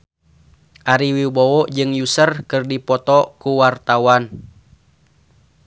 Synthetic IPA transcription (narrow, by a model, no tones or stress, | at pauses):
ʔaɾiwibɔwɔʔd͡ʒɨŋjusərkɨrdipɔt̪ɔkuwart̪awan